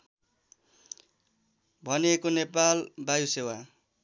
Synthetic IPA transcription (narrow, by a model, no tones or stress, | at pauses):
bʱʌniekonepalbajusewa